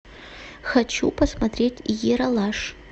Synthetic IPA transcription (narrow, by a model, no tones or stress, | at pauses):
xɐt͡ɕupɐsmɐt̪ɾʲetʲjeɾɐlˠaʂ